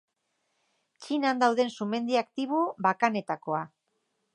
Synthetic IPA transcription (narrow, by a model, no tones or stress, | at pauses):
t͡ʃinand̪awðe̞nsume̞nd̪iakt̪iβ̞uβakane̞t̪ako̞a